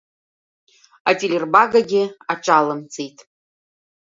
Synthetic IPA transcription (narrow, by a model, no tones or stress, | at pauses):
atʼilʲerbaɡaɡʲɪaʈ͡ʂʼalɨmt͡sʼijtʼ